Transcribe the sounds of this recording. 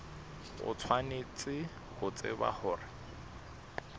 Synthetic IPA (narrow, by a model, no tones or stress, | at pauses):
ʊ̰t͡sʰwanet͡sʼɪ | hʊt͡sʼɪ̰ba̰hʊːrɪ